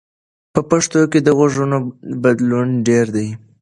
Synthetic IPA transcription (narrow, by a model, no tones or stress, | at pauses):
pəpaʂt̪oked̪əɣoʐənobad̪lunɖeɾd̪aj